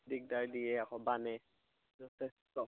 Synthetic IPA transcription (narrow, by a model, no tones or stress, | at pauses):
dik̚daɹdijɛakɔbanɛ | zɔtʰɛstɔ